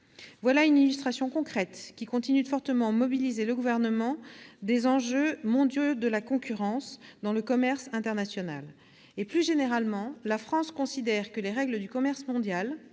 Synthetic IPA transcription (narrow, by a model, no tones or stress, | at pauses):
vwalaynilyst̪χasjɔ̃kɔ̃kχɛt̪kʲikɔ̃t̪inyd̪əfɔʁt̪əmɑ̃mɔbilizeləɡuvɛʁnəmɑ̃d̪ezɑ̃ʒømɔ̃d̪jod̪əlakɔ̃kʲyʁɑ̃sd̪ɑ̃ləkɔmɛʁsɛ̃t̪ɛʁnasjɔna̰l | eplyʒeneʁalmɑ̃lafχɑ̃skɔ̃sid̪ɛʁkəleʁɛɡləd̪ykɔmɛʁsmɔ̃d̪jal